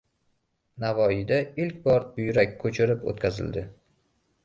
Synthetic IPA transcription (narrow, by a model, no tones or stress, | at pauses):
navɒjɪd̪aɪlkʲbɒɾbʊjɾakʲkʰːɵt͡ʃʰɪɾɪpo̰t̪kʲazɪ̰ld̪ɪ